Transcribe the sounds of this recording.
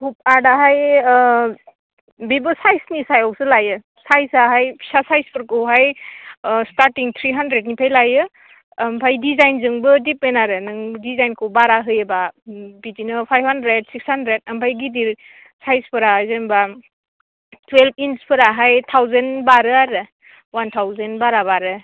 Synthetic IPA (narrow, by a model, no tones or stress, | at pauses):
hup̚adaɦaj | bibɯsajsnisajɔwsɯlajɯ | sajsaɦajpʰi̥sasajspʰɯɾkɯwɦaj | staɾtiŋt̪ʰɾiɦandɾed̚nipʰajlajɯː | mpʰajdizajnzɯŋbɯdip̚menaɾɯnɯŋdizajnkʰɯwbaɾaɦɯjebabidinɯpʰajbhandɾed̚sikshandɾed̚ɐmpʰajɡidiɾ | sajspʰɯɾazenba | tʰwelpʰinspʰɯɾaɦajtʰawzenbaɾɯaɾɯ | wantʰawzenbaɾabaɾɯ